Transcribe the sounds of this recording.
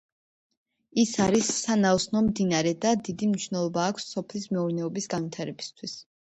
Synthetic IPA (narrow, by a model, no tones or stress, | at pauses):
isaɾisːanaɔsnɔmd̪inaɾɛd̪ad̪id̪imniʃvnɛlˠɔbaːkʷʰsːɔpʰlismɛuɾnɛɔbisɡanvwit̪ʰaɾɛbi̥st̪ʰwis